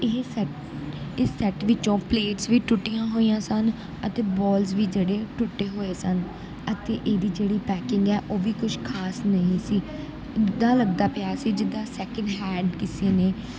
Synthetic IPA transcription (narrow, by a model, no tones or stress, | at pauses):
ɪsɛ | ɪsɛːʈʋɪt͡ʃõːpleːʈsʋiːʈʊʈːijãːɦoːijãːsən | ət̪eːbɔːlzʋiːd͡ʒeːɽeːʈʊʈːeːɦoːeːsən | ət̪eːʔeːd̪iːd͡ʒeːɽiːpɛːkɪŋɡɛːʔoːʋiːkʊʃʰkʰaːsnəĩːsiː | ɪd̪ːãːləɡ̚d̪aːpɪaːsiːd͡ʒɪd̪ːãːsɛːkə̃ɳɖɦɛːɖkɪseːneː